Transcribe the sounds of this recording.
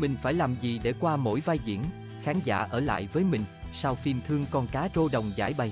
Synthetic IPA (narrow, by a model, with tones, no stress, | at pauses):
mï˨˩ŋ̟faː˧˩jlaː˨˩mzi˨˩ɗe˧˩kwaː˧mo̰˧˥jvaː˧jzḭ˧˨əm | xaː˨˦ŋza̰ː˧˩ʔəː˧˩la̰ː˧˨jvəː˨˦jmï˨˩ŋ̟saː˧wfi˧mt̪ʰɨ˧əŋkɔ˧nkaː˨˦zo˧ɗə˨˩wŋ͡mza̰ː˧˩jɓa˨˩j